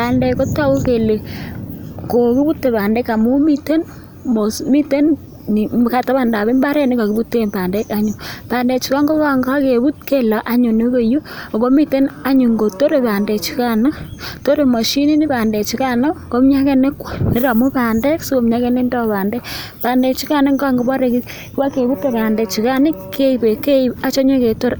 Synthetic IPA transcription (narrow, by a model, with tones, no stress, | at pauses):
pa˨ndɛ˨ko˦ta˦ko˦ke˨le˨ | ko˨ki˦bu˦tːe˨paː˨ndɛ˦ka˨mu˦mi˦te˦n | mo˨smi˦te˦n | ni˨ka˦˨ta˦βa˨nda˨βe˦mba˦ɾɛ˦ni˦ka˨ki˨˦bu˦tːe˦˨mba˨ndɛ˦ka˦ɲu˨paː˨ndɛ˨t͡ʃu˦ka˦ŋɡo˦a˨ŋɡa˦ke˨bu˦t̚ke˦la˨ʔa˦ɲu˨ne˦βe˨ju˦o˨ko˦mi˦te˦na˦ɲu˨ŋɡo˨to˦ɾe˨pa˨nde˨t͡ʃi˦ka˦no˦to˦ɾe˨mɔ˨ʃi˦ni˦ni˦paː˨ndɛ˨t͡ʃi˦ka˦no˦ko˦mɲa˦ke˦ne˦kwni˦ɾa˨mu˦pa˨ndɛ˦ksu˦ko˨˦mɲa˦ke˦ne˦ndɔ˦paː˨ndɛ˦k | paː˨nde˨t͡ʃi˦ka˦ne˦ŋɡa˦ŋɡo˨˦bɔ˦ɾe˨ki˦ | ka˦ke˨βu˦te˨paː˨ndɛ˨t͡ʃi˨ka˦nɪ˦ke˦˨be˨ke˦i˨a˦t͡ʃo˦ɲo˦ke˨to˦ɾ